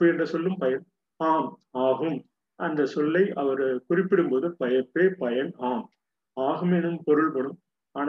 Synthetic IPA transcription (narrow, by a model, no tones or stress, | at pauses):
ɯɛndrɐsɔlːɯmpɐjɐn | aːmaːɣɯm | ʔɐnd̪ɐsɔlːɐɪʔɐʋɐɾkʊrɪpːɪɽɯmboːðɯpɐjɐpːeːpɐjɐnaːm | aːɣɯmɛnɯmpɔɾɯɭpɐɽɯm | aːn